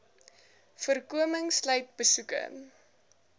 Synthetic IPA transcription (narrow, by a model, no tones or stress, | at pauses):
fərkuəməŋslœɥt̚bəsukə̰